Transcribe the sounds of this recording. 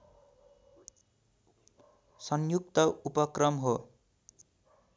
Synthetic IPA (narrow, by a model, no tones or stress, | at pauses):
sʌnjukt̪ʌupʌkrʌmɦo